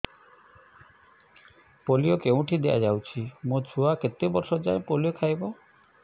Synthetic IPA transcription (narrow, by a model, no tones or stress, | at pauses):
poliokeũʈʰid̪eʔa̰d͡ʒawt͡ʃʰimũt͡ʃʰuaket̪ebɔɾʃɔd͡ʒaẽpolijokʰajbɔ